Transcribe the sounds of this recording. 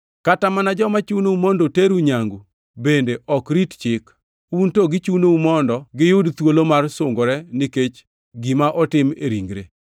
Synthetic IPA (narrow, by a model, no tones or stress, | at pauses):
katamanad͡ʒɔmat͡ʃunoumɔndoteɾuɲaŋɡu | bendeʔɔkɾitt͡ʃɪk | untoɡɪt͡ʃunoumɔndɔɡɪjʊdt̪wolomarsʊŋɡoɾɛnɪket͡ʃ | ɡimaʔɔtɪmeɾiŋɡɾḛ